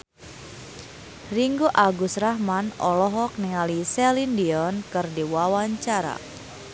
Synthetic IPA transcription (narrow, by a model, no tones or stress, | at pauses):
riŋɡuʔaɡusraɦmanɔlɔɦɔk̚nɛŋalisɛlindiɔnkɨrdiwawaɲt͡ʃaɾa̰